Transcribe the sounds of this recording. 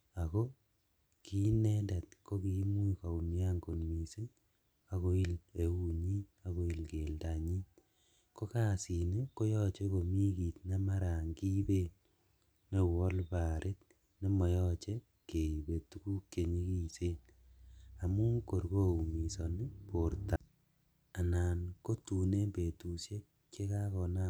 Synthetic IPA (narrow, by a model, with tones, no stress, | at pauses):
a˨ko˦ | ki˦ne˦da˨tko˦ki˦mu˦ika˨u˨nja˦ŋɡo˨nmi˨se˦ɲ | a˨ko˦i˦le˨u˦ɲi˦a˦ko˦i˨lke˨lda˨ɲi˦ | ko˦ka˦si˨ne˦ko˦jɔ˦t͡ʃe˦ko˨mi˦ki˨tna˦ma˦ɾa˨ŋki˦be˦n | ne˨wɔ˦lpa˨ɾʔe˦t̚ | ne˦mɔ˨jɔ˦t͡ʃe˦ | ke˨i˨be˨tu˦ku˦kːe˨ɲi˦ki˦˨se˦n | a˨mu˦ko˨rko˦u˨mi˨sɔ˨nɪ˦po˨rta˨ | a˨naː˨nko˦tu˨ne˦mbe˨tu˨sje˦k̚ | t͡ʃe˦ka˦kɔ˨na